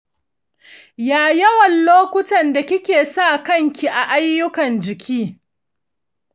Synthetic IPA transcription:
jaː˨jɐ˦wɐ˨nloː˦kʷʊ˦tɐ˨nda˨kʲɪ˦kʲeː˨sa˦˨kɐ˦˨ŋkʲi˨ʔa˨ʔa˦jːʊ˦kɐ˨nd͡ʒɪ˨kʲʰiː˦

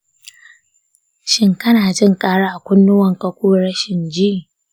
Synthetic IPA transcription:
ʃɪ˦ŋkɐ˦naː˨d͡ʒɪ˦˨ŋkʼaː˦ɽaː˦ʔa˨kʷʊ˦nːʊ˦wɐ˨ŋkɐ˦kʷuː˦ɽɐ˦ʃɪ˨nd͡ʒiː˦˨

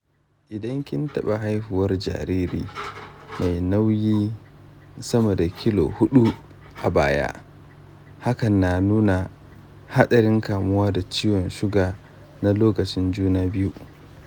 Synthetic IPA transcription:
ʔɪ˨dɐ˦ŋkʲɪ˦ntɐ˦ɓa˨ɦa˦jɸɪ˨wɐ˦rd͡ʒa̰ː˨ɾiː˦ɾḭː˦ma˨jna˦wjiː˦ | sɐ˦mɐ˨da˨kʲʰɪ˦lo̰˨hʊ˦ɗu˦ | ʔa˨baː˦ja̰˦ʔ | ha˦kɐ˨nːa˨nuː˦na˨ | ha˦ɗɐ˨ɾɪ˦ŋkaː˨mʊ˦waː˦da˨t͡ʃiː˦wɔ˨nʃʊ˦ɡaː˨ | na˦loː˦kɐ˨t͡ʃɪ˦nd͡ʒuː˦naː˦bɪ˦ju˦

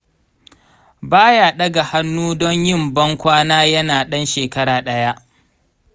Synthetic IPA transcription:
baː˦jaː˨ɗɐ˦ɡa˨ha˦nːuː˦dɔ˦ɲjɪ˦˨mbɐ˦ŋkʷaː˦naː˦jɐ˦naː˨ɗɐ˦nʃeː˨kɐ˦ɾaː˨ɗɐ˦ja˦ʔ

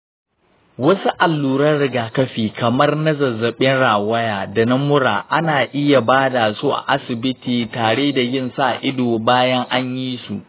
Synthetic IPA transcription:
wɐ˦su˦ʔa˨lːuː˨ɾɐ˦rɽɪ˦ɡaː˨kɐ˦ɸiː˨kʰɐ˨mɐ˦rnɐ˦zɐ˨zːɐ˨ɓɪ˦nɽaː˨wɐ˦jaː˨da˨nɐ˦mʊ˦ɽaː˨ʔa˦naː˨ʔɪ˦ja˨baː˦da˨zoː˦ʔa̰˨ʔa˦sɪ˨bɪ˦tiː˨taː˨ɽeː˦da˨jɪ˦˨nsa˦ʔa˨ʔɪ˦doː˨baː˦jɐ˦ŋʔa˦ɲjiː˦sṵ˨ʔ

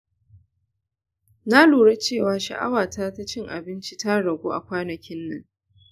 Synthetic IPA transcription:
na˦luː˨ɽe˦t͡ʃeː˦˨waː˦ʃa̰˨ʔa̰˦waː˨tʰaː˦ta˦t͡ʃɪ˦ŋʔa̰˨bɪ˦nt͡ʃi˦ta˦ɽɐ˨ɡʷuː˦ʔa̰˨kʷaː˦nɐ˨kʲɪ˦nːɐ˦ŋ

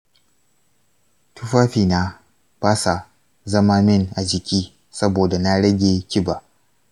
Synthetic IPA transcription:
tu˦ɸaː˦ɸiː˨na˦ | baː˦sa˨ | zɐ˦ma˦mɪ˦˨nʔa˨d͡ʒɪ˨kʲiː˦ | sɐ˦boː˨da˨na˦ɽɐ˦ɡʲe˨kʲɪ˦ba˨

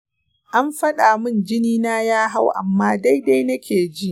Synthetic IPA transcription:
ʔa˦mɸɐ˦ɗaː˨mʊ˦nd͡ʒɪ˦niː˦naː˦jaː˦ɦa˦wʔa̰˨mːaː˦da˦jda˦jnɐ˦kʲeː˨d͡ʒi˦ʔ

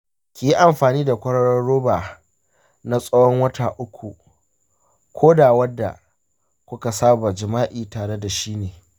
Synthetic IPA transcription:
kʲiː˨ji˦ʔa˨mɸaː˨niː˦da˨kʷɐ˦ɽɐ˦ɽɔ˦ɽoː˦baː˨ | na˦sʼɐ˦wɔ˦ŋwɐ˦ta˨ʔʊ˦kʷu˨ | kʷʰoː˦daː˨wɐ˦dːa̰˨ | kʷʊ˦ka˨saː˦ba˨d͡ʒɪ˨maː˦ʔiː˨taː˨ɽe˦da˨ʃiː˦neː˨

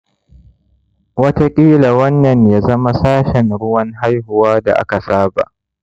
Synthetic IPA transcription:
wɐ˦ta˦kʲʼiː˦la˨wɐ˦nːɐ˨ɲjaː˦zɐ˦ma˦saː˦ʃɛ˨ŋɽʊ˦wɐ˦ŋɦa˦jhʊ˨waː˦da̰˨ʔa̰˦ka˨saː˦ba̰˨ʔ

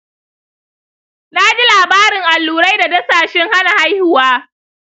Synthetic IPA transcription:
na˦d͡ʒi˦laː˨baː˦ɾɪ˨ŋʔa˨lːuː˨ɾa˦jda˨dɐ˦saː˨ʃɪ˦ŋha˦na˨ha˦jhʊ˦waː˦

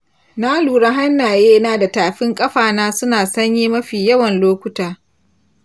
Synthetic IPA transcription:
na˦luː˨ɽa˦ɦa˦nːaː˨jeː˦naː˦˨da˨taː˨ɸɪ˦ŋkʼɐ˦ɸaː˨naː˦sʊ˦naː˨sɐ˦ɲjiː˦mɐ˦ɸiː˨jɐ˦wɐ˨nloː˦kʷʊ˦taː˨

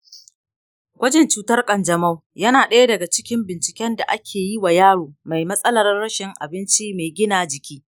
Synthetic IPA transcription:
kʷɐ˦d͡ʒɛ˨nt͡ʃuː˨˦tɐ˦rkʼɐ˨nd͡ʒɐ˨mɐ˦wjɐ˦naː˨ɗɐ˦ja˦dɐ˨ɡa˨t͡ʃɪ̥˦kʲɪ˦mbɪ˨nt͡ʃɪ̥˨kʲɛ˦nda˨ʔa˦kʲʰeː˨ji˦wa˨jaː˦ɽoː˨ma˨jmɐ˦sʼɐ˦lɐ˨rːɐ˦ʃɪ˨ŋʔa̰˨bɪ˦nt͡ʃi˦me˨ɡʲɪ˦naː˨d͡ʒɪ˨kʲiː˦

